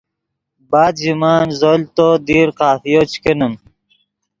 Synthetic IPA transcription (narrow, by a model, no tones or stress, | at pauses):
baːd̪d͡ʑimaːnzolt̪od̪iːɾqaːfijot͡ɕkenəm